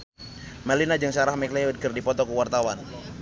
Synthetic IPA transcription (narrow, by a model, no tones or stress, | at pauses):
malinad͡ʒɨŋsaɾahmɛkleud̪̚ɡərdipɔt̪ɔkəwart̪awan